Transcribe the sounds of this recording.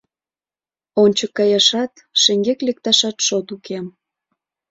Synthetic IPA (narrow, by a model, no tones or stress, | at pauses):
onʲt͡ɕəkːɑjɑʃɑt̪ | ʃĕŋɡeklek̚t̪ɑʃɑt̪ʃot̪ukʰem